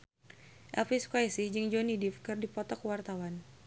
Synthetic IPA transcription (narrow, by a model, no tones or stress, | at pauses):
ʔɛlfiskajsihd͡ʒɨŋd͡ʒɔnidifkɨrdipɔt̪ɔkwart̪awan